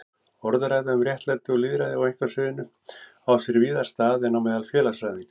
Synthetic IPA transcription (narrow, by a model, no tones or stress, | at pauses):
ɔɾðaɾajðaʏmrjɛht̪lajt̪ɪɔliːðɾaðɪawejŋ̥kvasʏːðɪnʏ | awsɛɾviːðḁst̪aːðɛnːawmɛːðalfjɛːlasɾavɪŋt̪